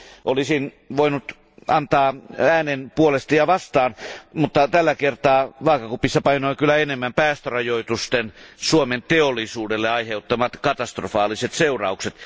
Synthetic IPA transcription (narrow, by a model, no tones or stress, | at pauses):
ʔolisin | ʋoinut̪ | ɑnt̪ɑːæːnenpuolest̪ɑjɑʋɑst̪ɑːnmut̪ːɑt̪ælːækert̪ɑːʋɑːkɑkupisːɑpɑinoikylːˑæenemːæmpæːst̪ørɑjoit̪ust̪ensuoment̪eolːˑisuːdelːeɑiheut̪ːɑmɑt̪kɑt̪ɑst̪rofɑːliset̪seurɑukset̪